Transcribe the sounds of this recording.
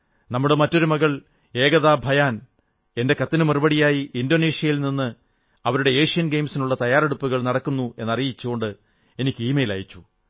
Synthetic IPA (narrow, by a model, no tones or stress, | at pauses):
nɐmːuɽemɐtːo̞ɾumɐɣɐɭ | e̞ːɣɐðaːbʱɐjaːn | e̞nde̞kɐt̪ːinɨmɐrubɐɽijaːjiːndone̞ːʂijɐjilninːɨ | ɐʋɐɾuɽe̞eːʂijɐnɡe̞jmsinuɭːɐt̪ɐjaːre̞ɽupːuɣɐɭnɐɽɐkːunːue̞nːɐrijit͡ɕːuɣo̞ɳɖɨ | e̞nikʲːɨiːmejla̰ːjit͡ɕːu